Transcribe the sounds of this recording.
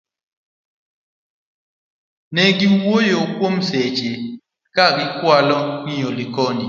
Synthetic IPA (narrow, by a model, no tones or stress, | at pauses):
neɡiwojokwomset͡ʃe | kaɡɪkwalɔŋiɲolikɔni